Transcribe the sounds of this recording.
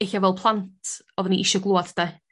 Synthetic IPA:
ɪɬavɛlˠpʰlˠantʰ | ɔðəniʔɪʃɔɡlˠoːaðd̥a

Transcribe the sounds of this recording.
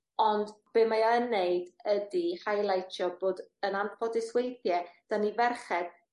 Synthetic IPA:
ɔndb̥eːmajɔənːejdədihajlˠajtʰjɔboːdənanpʰɔdɪswejθjɛd̥anivɛrχɛd̥

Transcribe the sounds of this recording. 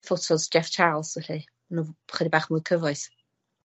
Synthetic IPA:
θɔtʰɔzd͡ʒɛft͡ʃʰaːlˠsɛɬi | nuχədibaːχmʊjkʰəvɔɨθ

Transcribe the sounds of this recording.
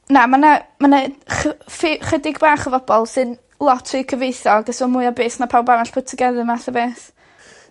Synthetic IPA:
namanamanaχfχɛdɪɡbaːχəvɔb̥ɔlˠsɨn | lˠɔtʰɨkʰəvejθɔɡdɛsɔmʊɨɔbeːsnapʰawbanɛɬpʰʊtʰəɡɛðɨmaθəbeːθ

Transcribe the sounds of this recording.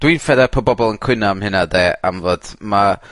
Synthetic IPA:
d̥winfɛðɛpʰɔbɔbɔlˠənkʰw̥ɪnamhɪnadeːa̰mvoːd̥ma

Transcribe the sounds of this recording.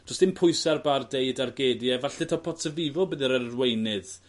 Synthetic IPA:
d̥ɔstɪmpʰʊjsarbardejdarɡeːdjɛvaɬɪtʰapʰɔtʰəvɪvɔbɨðiɾərwejnɨð

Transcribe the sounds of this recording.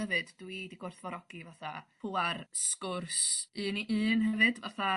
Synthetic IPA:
ɛvɨd̥ːwidiɡɔrθvɔɾɔɡ̥ivaθapʰuarskʊrsɨniʔɨːnhɛvɨdva̰θa

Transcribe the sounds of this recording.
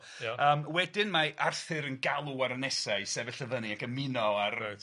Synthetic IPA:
əːmwɛdɪnmaʔarθɨɾənɡalˠuaɾənɛsaɨsɛvəɬəvəniakəmɪnɔar

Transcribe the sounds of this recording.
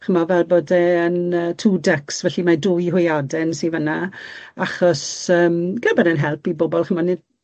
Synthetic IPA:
χəmɔvɛlˠboːdɛənəːtʰuːdɛksvɛɬimadʊjɦʊjadɛnsivənaaχɔsəːmɡ̥əbɛɾənɦɛlˠpibɔbɔlˠχəmɔnɪd

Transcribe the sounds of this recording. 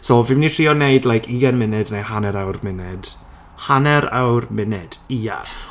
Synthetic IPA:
sovɪmnitʰr̥iːɔneɨdlajkʰiɡanmɪnɛdnehanɛɾawrmɪnɛd̥ | hanɛɾa̰wrmɪnɛd̥ia̰

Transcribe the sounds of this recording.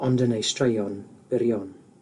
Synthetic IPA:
ɔndənejstɹejɔnb̥ɪɾjɔn

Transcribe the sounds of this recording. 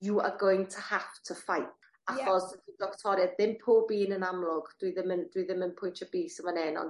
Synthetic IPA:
juə̰ɡojntʰəhaptʰəfajp̚ʰ | aχɔsədɪdɔktʰɔɾjaðɪmpʰoːbiːnənamlˠʊɡd̥wiðɪməndwiðɪmənpʰʊjntʰəbiːsəmanɛːnɔ̰n

